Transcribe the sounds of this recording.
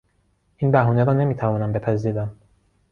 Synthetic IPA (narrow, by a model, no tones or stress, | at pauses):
iːnbæɦuːneɾɒːne̞miːt̪ʰævɒːnæmbe̞pʰæziːɾæm